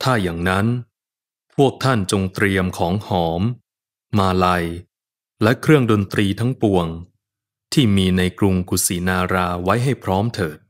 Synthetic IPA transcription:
t̪ʰaː˥˩jaː˨˩ŋna˦˥n | pʰu˥˩ək̚t̪ʰa˥˩nt͡ɕo˧ŋt̪ɾi˧əmkʰɔː˩˦ŋhɔː˩˦mː | aː˧la˧j | lɛ˦˥kʰɾɯ˥˩əŋdo˧nt̪ɾiː˧t̪ʰa˦˥ŋpu˧əŋ | t̪ʰiː˥˩miː˧na˧jkɾu˧ŋku˨˩siː˩˦naː˧ɾaː˧wa˦˥jɦa˥˩jpʰɾɔː˦˥mt̪ʰɤː˨˩t̪̚

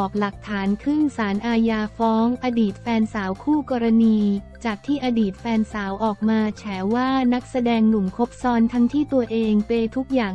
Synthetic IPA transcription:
ɔː˨˩k̚la˨˩k̚t̪ʰaː˩˦nkʰɾɯ˥˩ŋsaː˩˦nʔaː˧jaː˧fɔː˦˥ŋʔaː˧diː˨˩t̪̚fɛː˧nsaː˩˦wkʰuː˥˩kɔː˧ɾa˧niː˧t͡ɕaː˨˩k̚t̪ʰiː˥˩ʔaː˧diː˨˩t̪̚fɛː˧nsaː˩˦wʔɔː˨˩k̚maː˧t͡ɕʰɛː˩˦waː˥˩na˦˥k̚sa˧dɛː˧ŋnu˨˩mkʰo˦˥p̚sɔː˧nt̪ʰa˦˥ŋt̪ʰiː˥˩t̪u˧ɐʔeː˧ŋpe˧jt̪ʰu˦˥k̚jaː˨˩ŋ

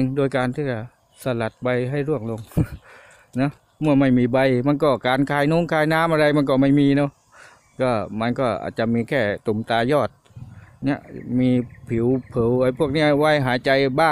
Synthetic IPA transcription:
ŋdoː˧jkaː˧nt̪ʰiː˥˩t͡ɕa˧˩ | sa˧la˨˩t̪̚ba˧jɦa˥˩jɾu˥˩əŋlo˧ŋ | nɔ˦˥ | mɯ˥˩ɐma˥˩jmiː˧ba˧jma˧˥nkɔː˧˩kaː˧nkʰaː˧˩jnu˧˥˨ŋkʰaː˧˩jnaː˧˥˨mʔa˧ɾa˧jma˧nk̬ɔː˧˩ma˥˩jmiː˧nɔ˧˩˦ | kɔː˧˩ma˧nkɔː˧˩ʔa̰ː˨˩t̪̚t͡ɕa˨˩miː˧kʰɛː˧˩t̪o˨˩mt̪aː˧jɔː˧˩t̪̚ni˦˥əmiː˧pʰi˩˦wpʰɤː˨˩˦wʔa˧˩pʰu˧˥˩ək̚niː˧˥˩waː˧˩jɦaː˨˦jt͡ɕa˧jbaː˥˩

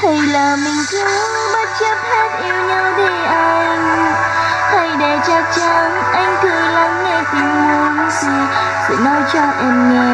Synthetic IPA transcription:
t̪ʰə˧˩jlaː˨˩mï˨˩ŋ̟t͡ɕɨ˨˧˦ | ma˦˥t̚t͡ɕə˦˥p̚hɛ˦˥t̚ʔi˧əwɲa˧wt̪i˧˩ʔa˧jŋ | h̪ʰa˧˩jɗe˧˩t͡ɕa˦˥k̚t͡ɕa˧˦n | ʔa˧jŋ̟t̪ʰɨ˨˩əŋla˨˦ŋːɛ˧˩fi˨˦mu˨˧˦ənt̪ʰi˨˩ | kʊ̰˧˥ŋ͡mnɔ˨˧˦jt͡ɕɔ˧ʔɛ˧mːɛ˧˩

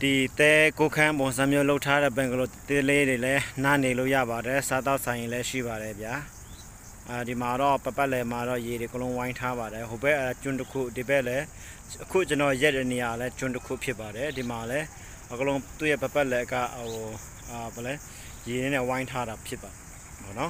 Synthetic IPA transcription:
d̥i˨t̪ɛ˦ko˦kʰã˦bʊ̃˨s̬ã˦˨mjo˦lo˦ʊʔtʰːa˦ɾɛ̰˦˨pɛ̃˨ŋɡəlo˨t̪e˦t̪le˦de˨lɛ˦nã˦˨ne˨lo˦˨ja̰˦˨βa˨ɾɛ˨sa˦t̪a˦ʊʔsʰã˨ɪ̃ĩ˨lɛ˦ʃḭ˦˨ba˨ɾɛ˨bja˦˨ | di˨ma˨ɾɔ˦˨pə˨pa˦ʔlɛ˨ma˨ɾɔ˦˨je˨ɾe˨ə˨kəlõ˦ʊ̃wã˦ɪ̃ntʰa˦βa˨ɾɛ˨ɦo˨pɛ˦ʔt͡ɕʊ̃˦˨ntəkʰṵ˦˨di˨bɛ˦ʔlɛ˦ | ʔəkʰṵ˦˨t͡ɕə˨nɔ˨jɛ˦tːɛ˦˨ne˨ja˨lɛ˦t͡ɕʊ̃˦ntəkʰṵ˦˨pʰjɪ˦pːa˨ɾɛ˨di˨ma˨lɛ˦ | ʔə˨kəlõ˦t̪u˦˨jɛ˦˨pə˨pa˦ʔlɛ˨ʔəka̰˦˨ʔo˨ | ba˨lɛ˦ | je˨nɛ˦nɛ˦˨wã˦ɪ̃ntʰa˦ɾa˨pʰjɪ˦pːa˨ | bɔ̰˦˨nɔ˦

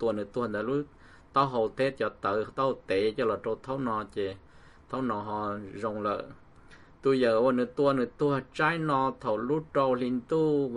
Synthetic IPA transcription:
t̪u˧ənɨ˨t̪u˧hə˧nt̪a˧˨lu˦ | t̪ɔ˧˦ɦo˧wt̪ʰe˦t̪̚t͡ɕɔ˧˩t̪ə˧˨˧t̪ɔ˦ht̪e˨˦t͡ɕɔ˧lɔ˨˩ʈ͡ʂo˧wt̪ʰo˦wnɔ˧t͡ɕe˧˩ | t̪ʰə˧˦˥wnɔ˧˩ɦɔ˧˨zo˧wŋ͡mlə̰ː˧˨ | t̪u˧jə˧˨wa˧nɨ˧˩t̪u˧ənɨ˨˩t̪u˧ha˨˩t͡ɕa˦˥jnɔ˧t̪ʰo˧˩wlu˦˥ʈ͡ʂo˧wli˧nt̪u˧

